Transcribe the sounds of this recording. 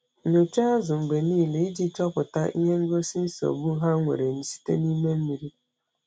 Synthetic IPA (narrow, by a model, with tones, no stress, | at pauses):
ɲo˨t͡ʃa˦a˦zʊ˨m̩˨ɡ͡be˨niː˦˨le˨i˦d͡ʒi˦t͡ʃɔ˦pʊ˨ta˦ʔi˦ɦe˦ŋ̩˦ɡo˦si˦n̩˦so̰˨bu˦ɦa˦ŋʷḛ˨ɾe˨n̩˦si̥˦tḛ˦ni˦me˦m̩˦mi˨ɾi˦